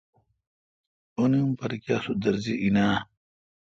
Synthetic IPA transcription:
oniumpɐɾikjaːsud̪ɐɾziʔinaː

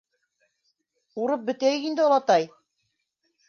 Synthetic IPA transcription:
uɾɤp̚bɘ̆t̪æjɘkind̪ɘɑlˠɑt̪ɑj

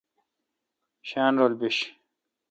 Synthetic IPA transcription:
ɕaːnɾoːlbiɕ

